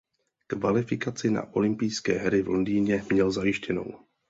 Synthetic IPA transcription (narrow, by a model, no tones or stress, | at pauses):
kvalɪfɪkat͡sɪna̰ʔo̞lɪmpijskɛːɦɾɪvlundiːɲɛmɲɛlzajɪʃcɛno̰w